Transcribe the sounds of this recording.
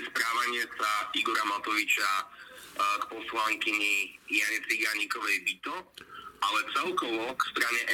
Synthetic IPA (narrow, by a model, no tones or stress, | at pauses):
spɾaːʋaɲɪɛsaiɡɔɾamat̪ɔʋit͡ʃa | kpɔslaŋkiɲijaɲɛt͡siɡaɲikɔʋɛjbit̪ɔʔalɛt͡sɛlkɔʋɔkst̪ɾaɲɛʔ